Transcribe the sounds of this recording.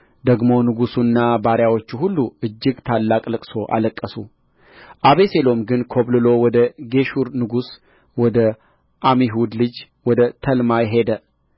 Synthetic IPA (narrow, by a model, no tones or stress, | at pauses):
d̪əɡmo̞nɨɡusunːabaɾjawo̞t͡ʃːuhulːuɨd͡ʒːɪɡt̪ʰalːakʼlɨkʼso̞ʔa̰ləkʼːəsu | ʔaβese̞lo̞mɡɨnkʰoβlɨlo̞wɔd̪əɡe̞ʃuɾnɨɡus | wɔd̪ə | ʔamiɦud̪lɨd͡ʒ | wɔd̪ət̪ʰəlmajɛɦe̞d̪ə